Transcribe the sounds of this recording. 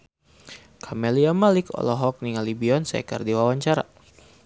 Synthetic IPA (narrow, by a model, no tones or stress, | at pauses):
kʰamɛliamalɪkɔ̰lɔɦɔk̚niŋalibiɔnsɛ̰kə̰rdiwawaɲt͡ʃaɾa̰